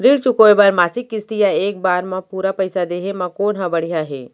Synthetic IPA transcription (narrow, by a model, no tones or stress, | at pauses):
ɾiɽt͡ʃukoːjbaːɾmaːsɪkːɪst̪ijaeːk̚baːɾmãpuːɾapɐɪsad̪eːɦemãkoːnɦãbɐɽiɦaɦɛ̰ː